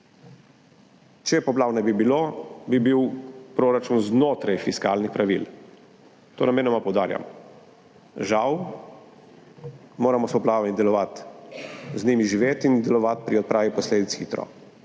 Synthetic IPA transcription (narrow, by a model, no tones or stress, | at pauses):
t͡ʃɛpɔplaːwnɛbibiloːbibiwpɾoːɾat͡ʃunznoːt̪ɾajfiskaːlnixpɾaʋḭl | t̪o̰ːnameːnɔmapɔwd̪aːɾja̰m | ʒaw | moːɾamɔsɔplaːʋamid̪ɛlɔʋat̪ | zniːmiʒiʋeːt̪ind̪ɛlɔʋat̪̚pɾiɔt̪̚pɾaːʋipɔsleːd̪it̪sxḭt̪ɾɔ̰